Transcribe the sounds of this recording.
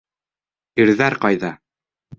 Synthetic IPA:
iɾðæɾqɑjðɑ

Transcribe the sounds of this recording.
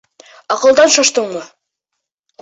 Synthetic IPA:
ɑqɤ̆lˠd̪ɑnʃɑʃt̪ɤɴmɤ

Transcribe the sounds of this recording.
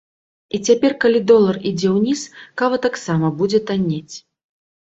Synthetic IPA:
it͡sʲapʲɛrkalʲid̪ɔlˠɐrid͡zʲɛwnʲiskavɐt̪aksamɐbud͡zʲɛt̪anʲːet͡sʲ

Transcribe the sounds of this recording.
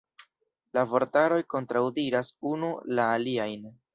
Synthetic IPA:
lavo̞ɾtaɾo̞jko̞ntɾawdiɾasunulaːliajn

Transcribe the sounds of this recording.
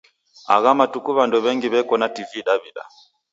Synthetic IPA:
a̰ɣamatukuβandɔβɛŋɡiβɛkɔnativiɗaβiɗa̰

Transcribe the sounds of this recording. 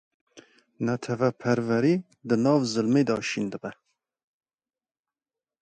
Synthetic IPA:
nɛt̪ʰɛvæpʰɛɾvɛɾiː | d̪ɨnɑːvzɨlmeːd̪ɑ̰ːʃind̪ɨbɛ

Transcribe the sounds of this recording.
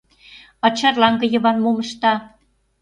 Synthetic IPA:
ɑt͡ɕɑrlɑŋɡə̆jə̆βɑnmoməʃt̪ɑ

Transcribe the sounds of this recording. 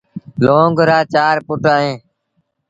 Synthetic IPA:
loːɡɾaːt͡ʃaːɾpʊʈaːɦẽː

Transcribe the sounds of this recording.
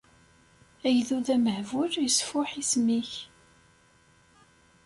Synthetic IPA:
æjðuðæməʕvʊɾjəsfʊħismiç

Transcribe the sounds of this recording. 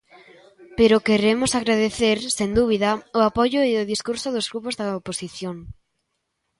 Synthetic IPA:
peɾʊkeɾemʊsaɣɾaðeθeɾsend̪uβ̞iðɐʊapɔʝʊiʊðiskuɾsʊðʊzɣɾupʊzðɐoposiθjoŋ

